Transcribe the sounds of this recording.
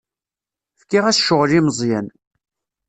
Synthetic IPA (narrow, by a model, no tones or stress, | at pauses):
fkːiʁæθʃʊʁliməzˤjæn